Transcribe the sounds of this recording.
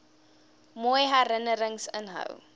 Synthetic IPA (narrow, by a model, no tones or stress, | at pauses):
mojɦæɾənəɾəŋsənɦə̰w